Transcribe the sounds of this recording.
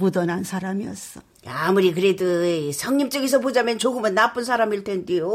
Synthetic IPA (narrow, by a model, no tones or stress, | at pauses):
pudʌnɦansʰaɾamiʌs͈ʌ | amuɾik̬ɯɾedosʰʌŋɲimt͡ɕ͈ʌɡis̬ʰʌpod͡ʑamjʌnt͡ɕoɡɯmɯnːap͈ɯnsʰaɾamiɭtʰendejo